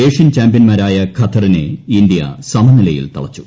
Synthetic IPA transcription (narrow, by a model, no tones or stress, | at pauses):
eːʂjɐnt͡ɕaːmbjɐnmaːɾaːjɐkʰɐt̪ːɐrinḛind̪jɐ̰sɐmɐnilɐjḭlt̪ɐ̰ɭɐt͡ɕːu̥